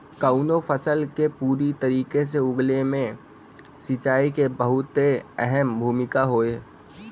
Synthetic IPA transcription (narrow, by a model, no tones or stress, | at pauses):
kaʊnofʰəsəlkepuːɾit̪əɾiːkes̬eʊɡlemẽ | sɪt͡ʃaːikebəɦʊt̪ɦeɛɦɛmbʱuːmɪkaɦoːeː